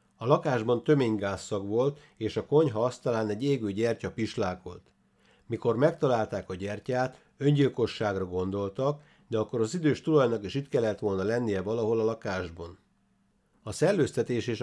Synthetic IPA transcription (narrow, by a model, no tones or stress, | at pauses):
ɒlɒkaːʒbɒnt̪ø̞meːɲɡaːsːɒkʋo̞lt̪ | eːʃɒkoɲɦɒɒst̪ɒlaːnɛɟeːɡøːɟɛrcɒpiʃlaːko̞̰lt̪ | miko̞rmɛk̚t̪ɒlaːlt̪aːkɒɟɛrcaːt̪ | ø̞ɲɟilko̞ʃːaːɡrɒɡo̞nd̪o̞lt̪ɒk | d̪ɛɒkːo̞ɾɒzid̪øːʃt̪ulɒjnɒkiʃiːt̪kɛlːɛt̪ʋo̞lnɒlɛnːijɛvɒlɒɦo̞lɒlɒkaːʒbɒn | ɒsɛrløːst̪ɛt̪eːʃeːʃ